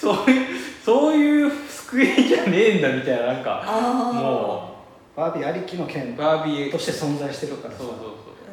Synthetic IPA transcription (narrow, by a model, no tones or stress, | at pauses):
soːjɯsoːjɯ̟ːsɨ̥kɯed͡ʑanẽ̞ːnd̪amʲit̪ajnanãŋka̰moː | b̥aːbʲiaɾʲikʲino̞kʰẽnbaːbʲit̪o̞ɕi̥t̪e̞sõ̞nzaiɕi̥t̪eɾɯ̟okasoːsoːso̰ː